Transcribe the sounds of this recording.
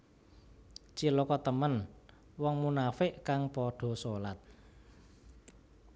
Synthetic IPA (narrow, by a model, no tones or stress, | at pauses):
t͡ʃilokɔt̪əmən | wɔŋmunafɪʔkaŋpɔɖ̥o̤solat̪̚